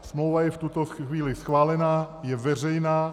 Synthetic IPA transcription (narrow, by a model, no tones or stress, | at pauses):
smlowvajɛft̪ut̪oxviːlɪsxvaːlɛnaːjɛvɛr̝ɛjnaː